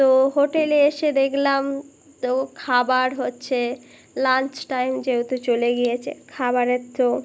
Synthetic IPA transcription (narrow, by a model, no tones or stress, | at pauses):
t̪oɦoʈeleeʃed̪ekʰlam | t̪okʰabaɾɦotːɕʰe | lant͡ɕʈajmd͡ʑeot̪ot͡ɕoleɡijet͡ɕʰḛkʰabaɾet̪ːo